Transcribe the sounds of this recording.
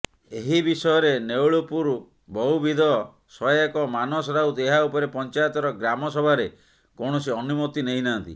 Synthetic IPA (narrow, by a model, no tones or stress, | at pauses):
eɦibisɔjɔɾenewɭupuɾ | bɔɦubid̪ʱɔ | sɔekɔmanɔsɔɾawt̪eɦaupɔɾepɔnt͡ʃajɔt̪ɔɾɔɡɾamɔsɔbʱaɾe | koɽ̃ɔsiɔnumot̪ːinejnant̪ḭ